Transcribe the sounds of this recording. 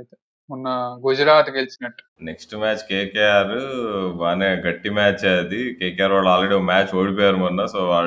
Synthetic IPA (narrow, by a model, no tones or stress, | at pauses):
ɐjt̪e | munːɐɡod͡ʒɐɾaːʈukelit͡ʃinɐʈːu̥neksʈumaːt͡ʃkeːkejaːɾuʋaːneːɡɐʈːimaːt͡ʃed̪ikeːkejaːɾʋaːɭːaːlɾeɽiokmaːt͡ʃoːɽip̬ɔːjaːɾumɐnːɐsoːʋaː